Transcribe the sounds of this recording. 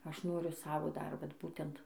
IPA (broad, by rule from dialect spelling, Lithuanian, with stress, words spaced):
ˈɐʃ ˈnoːrʲʊ ˈsɑːʋoː ˈdɐr ˈʋɐt ˈbuːtʲɛnt